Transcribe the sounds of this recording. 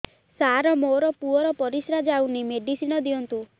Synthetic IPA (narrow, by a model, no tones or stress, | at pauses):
saɾɔmoɾɔpuɔɾɔpɔɾisɾad͡ʒawnimeɖisinɔd̪iɔnt̪u